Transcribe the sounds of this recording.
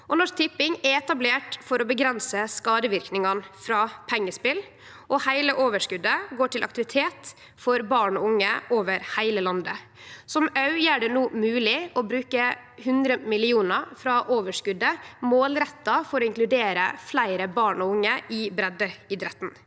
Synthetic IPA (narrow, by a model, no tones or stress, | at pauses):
ʔɔnɔʂt̪ʰɪpːɪŋɛɛt̪ɑbleːʈfɔɾɔbəɡɾɛnsəskɑːd̪əʋɪɾknɪŋɑnfɾɑːpʰɛŋːəspɪl | ʔɔhæɪləʔoːʋəʂkʉd̪ːəɡoːʈɪlʔɑk̚t̪ɪʋɪt̪ʰeːt̪ | fɔɾbɑːɳɔʊŋːəʔoːʋəɾhæɪləlɑnd̪ə | sɔmɑʉjæɖɛnuːmʉːlɪɔbɾʉːkəhʉnd̪ɾəmɪlɪuːnəfɾɑʔoːʋəʂkʉd̪ːəmoːlɾɛt̪ːɑfɔɾɔɪŋklʉd̪eːɾə̰flæɪɾəbɑːɳɔʊŋːəɪbɾɛd̪əɪd̪ɾɛt̪ːn̩